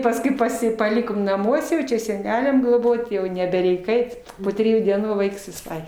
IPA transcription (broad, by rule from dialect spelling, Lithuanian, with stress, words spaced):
pɐsˈkʊɪ pɐˈsʲɪ pɐˈlʲɪkoːm nɐˈmuɔsʲɛ jɛʊ t͡ʃʲɛ sʲɛˈnʲæːlʲɛm ɡlˠoːˈboːtʲ jɛʊ nʲɛbʲɛˈrʲɛɪk ˈɐɪt poː tʲrʲɪˈjuː dʲiɛˈnuː ˈʋɐɪks ʋʲɪˈsɐɪ